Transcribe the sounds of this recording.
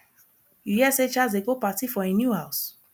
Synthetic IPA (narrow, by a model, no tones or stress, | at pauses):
jujiɛset͡ʃazeɡopatifɔenjuhaʊs